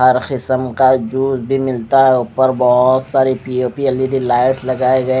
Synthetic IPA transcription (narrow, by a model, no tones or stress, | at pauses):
ɦɐɾqɪsəmkad͡ʒuːzbʱimɪlt̪aɦɛʊpəɾbɔɦʊt̪saːɾepioːpiɛlːiɖilaːɪʈslɐɡaːeɡɐẽ